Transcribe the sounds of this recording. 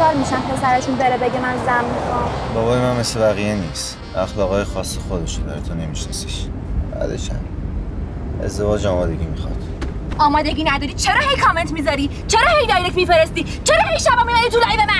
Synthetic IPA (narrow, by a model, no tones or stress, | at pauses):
ɒːɾmiʃæmpʰesæɾeʃunbeɾebe̞ɟemænzæmmixɒmbɒɣoːjemænmeslevæɣiːjeniːst̪ | æxlɒːɣɒːjexɒːsːexod̪eʃod̪æ̰ɾet̪ʰone̞miʃnɒ̰si̥ʃ | b̥æ̰ːd̪ḛʃæ̰m | e̞̰zd̪e̞vɒːd͡ʒɒːmɒːd̪e̞ɟiːmixɒ̰d̪̥ | ɒːmɒːd̪e̞ɡʲiːnæd̪ɒːɾiːt͡ʃʰeɾɒːhejkʰɒːment̪miːzɒɾiː | t͡ʃʰeɾɒːhejd̪ɒːjɾekcmifeɾest̪iː | t͡ʃʰeɾɒːiʃæbɒːmibæɾit̪ulɒjbemæ